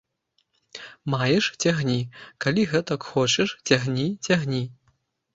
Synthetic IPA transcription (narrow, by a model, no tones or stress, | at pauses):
majɛʂt͡sʲaɣnʲikalʲiɣɛt̪ɐkxɔt͡ʃɛʂt͡sʲaɣnʲit͡sʲaɣnʲi